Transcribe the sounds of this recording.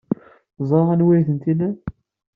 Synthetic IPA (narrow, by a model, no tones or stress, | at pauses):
zˤɾˤɑʁænwijθənt̪inæ